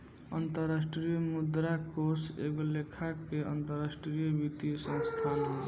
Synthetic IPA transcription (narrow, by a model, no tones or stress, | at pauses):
ənt̪əɾasʈɾijəmud̪ɾakosḛɡolekʰakeʔə̰nt̪əɾasʈɾijəbit̪isə̃ŋst̪ʰanɦ